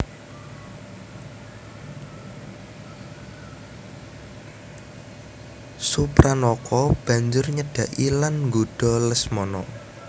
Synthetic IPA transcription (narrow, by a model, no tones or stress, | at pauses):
supɾanɔkɔb̥ä̤ɲd͡ʒʊrɲəɖ̥ä̤ʔilanŋɡoɖ̥ɔ̤ləsmɔnɔ